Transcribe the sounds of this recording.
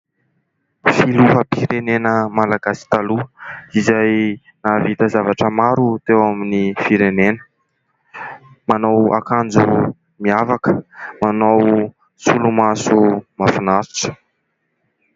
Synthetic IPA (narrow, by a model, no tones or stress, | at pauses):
filuɦəpiɾenenəmalaɡasi̥t̪aluəizaj | navit̪əzavaʈ͡ʂəmaɾut̪ewaminifiɾenenə̥ | manowa̰kand͡zu | miavakə̥manow | sulumasumafinasi̥ʈ͡ʂə̥